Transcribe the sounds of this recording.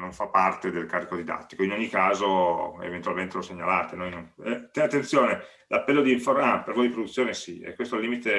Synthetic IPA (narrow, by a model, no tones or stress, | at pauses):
noɱfapːart̪ed̪elkaɾrikod̪id̪a̰t̪ːikoinoɲːikaːzoḛvent̪ualment̪eloseɲːalaːt̪enojnonɛt̪ɛat̪ːent̪sjoːne | lapːɛlːod̪iiɱforampeɾvojd̪ipɾod̪ut̪sːjoːnesiɛ̰kwest̪olːiːmit̪e